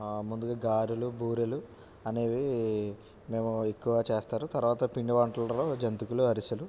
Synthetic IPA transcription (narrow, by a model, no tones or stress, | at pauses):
mund̪uɡaːɡaːɾulubʱuːɾɐlu | ɐne̞ːʋi | me̞ːmuekːuʋɡaːt͡ʃeːst̪aːɾut̪ɐɾuʋaːt̪ɐpiɳɖɐʋaːɳʈɐlɐloːd͡ʒɐnt̪ukuluɐɾisɐlu